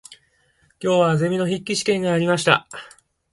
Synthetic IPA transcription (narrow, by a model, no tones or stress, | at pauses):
kʲo̞ːβaze̞mʲino̞çikʲːiɕi̥kẽ̞ŋɡaːɾʲimaɕi̥t̪a̰